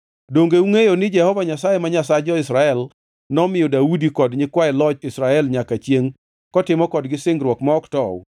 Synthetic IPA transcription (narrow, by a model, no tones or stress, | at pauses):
doŋɡeuŋejonɪd͡ʒɛhɔvaɲasajemaɲasad͡ʒɔɪsɾaɛl | nɔmɪjɔdaudikɔdɲɪkwaɛlɔt͡ʃɪsɾaɛlɲakat͡ʃjeŋ | kɔtɪmɔkɔdɡɪsɪŋɡɾwɔkmɔɔktɔw̰